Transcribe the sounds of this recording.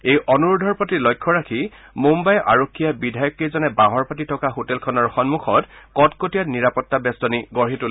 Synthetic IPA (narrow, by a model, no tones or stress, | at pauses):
ejʔɔnuɹʊdʱɔɹpɔtilɔjkʰːɔɹakʰi | mumbajʔa̰ɹokʰːijabidʱajɔkːizɔnɛbaɦɔɹpat̬itʰɔkaɦotɛlkʰɔnɔɹxɔnmuxɔtkɔtkotijatniɹapɔtːabɛstɔniɡɔɹɦitul